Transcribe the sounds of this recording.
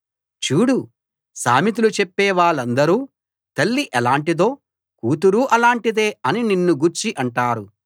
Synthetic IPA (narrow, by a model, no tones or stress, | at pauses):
t͡ʃuːɽu | sa̰ːmit̪̬ulut͡ʃɛpːɛːʋaːɭːɐnd̪ɐɾuː | t̪ɐlːiʔɛlaːɳʈid̪o̞ː | kuːt̪̬uɾuːʔɐlaːɳʈid̪e̞ːɐnininːuɡuɾt͡ʃiʔɐɳʈaːɾu